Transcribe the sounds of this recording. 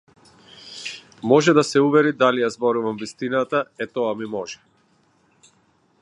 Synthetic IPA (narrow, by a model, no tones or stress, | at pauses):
mɔʒɛd̪asɛuvɛɾid̪alijazbɔɾuvamvist̪inat̪aɛt̪ɔamimɔʒɛ